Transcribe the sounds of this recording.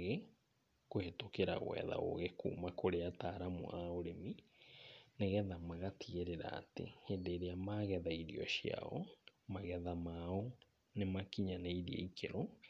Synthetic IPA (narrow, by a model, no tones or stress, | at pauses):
ɣe | kohetokeɾa̰ɣwɛ̰ða̰o̰ɣekṵːmakoɾeataːɾamo̰ʔaoɾemi | neɣɛðamaɣatʰieɾeɾa̰ːtḛhedeɾeamaɣɛðaiɾḭɔ̰ʃia̰ɔmaɣɛðamaɔ | nemakiɲanaiɾiḛikʰeɾɔ